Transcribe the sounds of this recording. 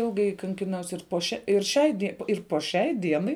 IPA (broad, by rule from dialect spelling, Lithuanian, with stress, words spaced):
ˈɪlˠɡɐɪ kɐŋʲkʲɪˈnɐʊs ɪr poː ˈʃʲɛ ɪr ˈʃʲɛɪ dʲiɛ ɪr poː ˈʃʲɛɪ ˈdʲiɛnɐɪ